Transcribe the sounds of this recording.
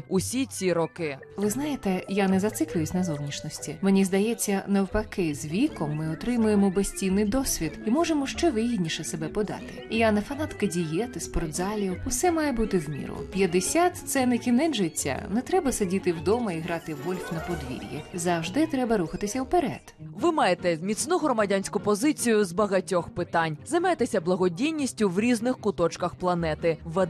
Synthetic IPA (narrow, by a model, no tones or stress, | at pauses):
usʲit͡sʲiɾɔkɪ | ʋɪznɑjet̪ɛjanɛzɐt̪sɪklʲʊjɪsʲnɐzɔwnʲit͡ʃnɔsʲtʲimenʲizd̪ɐjɛt͡sʲːɐnɐwpɐkɪzʋʲikɔmːɪɔt̪ɾɪmʊjemɔbesʲtʲijnːɪjd̪ɔsʲʋʲid̪imɔʒemɔʃt͡ʃɛʋɪɦidʲnʲiʃɛsebɛpɔd̪ɑ̰t̪ɪ̰ijanɐfɐnat̪kɐdʲijɛt̪ɪspɔrt̪zɑlʲiwʊsɛmɑjɛbut̪ɪwmʲḭɾʊ̰pʲjɐd̪esʲat̪t̪sɛnɪkʲinɛnʒɪt͡sʲːɐ̰nɛt̪ɾɛbɐsɐdʲit̪ɪwd̪ɔmɐiɦɾɑt̪ɪʋɔlʲfʲnɐpɔd̪ʋʲḭɾʲjɛ̰zɐwʒd̪ɪt̪ɾɛbɐɾuxɐt̪ɪsʲɐwpeɾɛ̰d̪̥ʋɪmɑjet̪ɛmʲit̪snuɦɾɔmɐdʲanʲsʲkʊpɔzɪt͡sʲijʊzbɐɦɐtʲɔxpɪt̪ɑnʲzɐjmajet̪esʲɐblˠɐɦɔdʲijnʲisʲtʲʊwɾʲiznɪxkʊt̪ɔt͡ʃkɐxplˠɐnɛt̪ɪʋɛ